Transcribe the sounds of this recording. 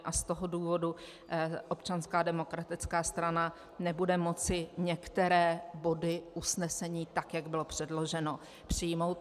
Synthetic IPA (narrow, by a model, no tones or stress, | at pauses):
ʔast̪o̞ɦo̞duːvo̞du | ʔo̞pt͡ʃanskaːdɛmo̞kɾat̪ɪt͡skaːst̪ɾana | nɛbudɛmo̞t͡sɪɲɛkt̪ɛɾɛːbodɪʔusnɛsɛɲiːt̪akjaɡbɪlo̞pr̝̥ɛdlo̞ʒɛno̞ | pr̝̥ɪjmo̞wt̪̚